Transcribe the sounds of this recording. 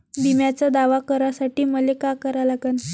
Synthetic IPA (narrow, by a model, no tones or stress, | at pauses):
bimjat͡sad̪aʋakəɾasaʈiːməlekakəɾalaɡən